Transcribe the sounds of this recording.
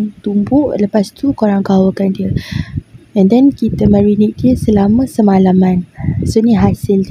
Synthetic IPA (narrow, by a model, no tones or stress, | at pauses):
ŋt̪umbʊʔləpast̪ukoɾaŋɡawəkandiə | ɛ̃ndɛnkit̪əmãɹinik̚diəsəlamə̃səmalamãnsonĩɦasəld